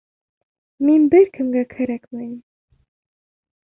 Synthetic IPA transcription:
minbɘɾkɘ̆mɡækʰæɾækmæjɘm

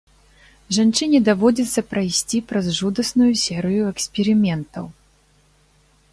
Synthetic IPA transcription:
ʐant͡ʂɨnʲɛd̪avɔd͡zʲɛt̪sːɐpɾajsʲt͡sʲipɾɐzʐud̪ɐsnujusʲɛɾɨjuɛksʲpʲɛɾɨmʲɛnt̪ɐw

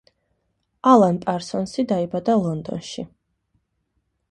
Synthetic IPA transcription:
alˠanpʼaɾsɔnsid̪aibad̪alˠɔnd̪ɔ̰nʃḭ

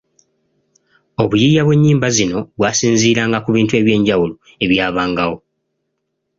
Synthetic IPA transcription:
o̞βujijaβwe̞ɲːiːmbazino̞βwaːsiːnziːɾaːŋɡakuβiːntue̞ːβje̞ːɲɟawulo | e̞βjaːβaːŋɡawo̞

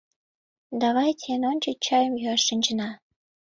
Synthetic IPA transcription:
d̪ɑβɑjt̪ʲienonʲt͡ɕət͡ɕɑjəmjyɑʃːənʲt͡ɕənɑ

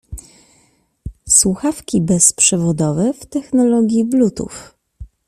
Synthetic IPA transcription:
swuxafkʲibɛspʂɛvɔd̪ɔvɛft̪ɛxnɔlɔɡʲjiblut̪ṵf

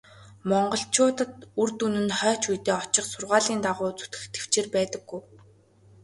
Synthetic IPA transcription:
mɔɴɢɞ̆ɬt͡ɕʰʊːt̪ə̆t̪urt̪unɘ̆nχœːt͡ɕujt̪eːɔt͡ɕɪ̆χsʊrʁaːɮiːnt̪aʁʊːt͡su̥t̪ɡɘ̆xt̪ʰe̥w̥t͡ɕeːrpæːt̪ə̆ɡːuj

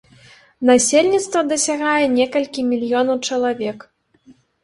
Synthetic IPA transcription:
nasʲelʲnʲit̪st̪vɐd̪ɐsʲaɣajɛnʲɛkɐlʲkʲimʲilʲjɔnɐwt͡ʂɐlˠavʲɛk

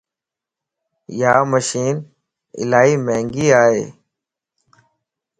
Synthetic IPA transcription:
jaːməʃiːn | ɪ̰laːɦiːmẽːŋɡiːaːɦḛː

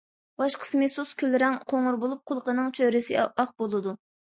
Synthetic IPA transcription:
bɑʃqʰə̥smɨsuskʲʰylːɪɾɛŋqʰoŋʊɾbolˠup̚qʰʊlˠqənɨŋt͡ʃʰøɾɪsɪɑq̚bolˠɨd̪u

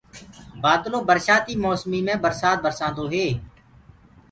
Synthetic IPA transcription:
baːd̪loːbəɾʃaːt̪iːmoːsmiːmẽːbəɾsaːt̪̚bəɾsãːnd̪oːɦeː

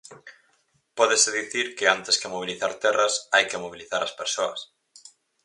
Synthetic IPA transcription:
pɔðeseðiθiɾkɪant̪eskemoβ̞iliθa̰ɾt̪ɛrɐsajkemoβiliθaɾɐspeɾsoɐ̰s

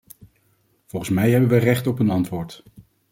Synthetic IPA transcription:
v̥ɔlˠχənsmɛjɦɛbənʋərɛχtɔpɦənɑntʋʊːɹt

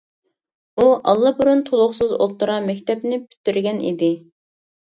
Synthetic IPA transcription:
uʔɑlˠːɑbuɾunt̪ʰolˠʊχsɨzo̰t̪ːuɾɑmɛkʲt̪ʰɛpnɪpʰy̥t̪ːyɾɡʲɛnḭd̪ɪ

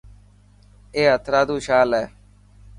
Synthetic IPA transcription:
eːɦət̪ʰɾaːd̪uːʃaːlɛː

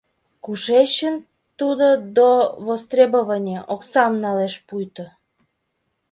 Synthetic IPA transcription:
kuʃeɕən | t̪ud̪od̪oβost̪rʲeboβənʲeʔoksɑmnɑleʃpujt̪o

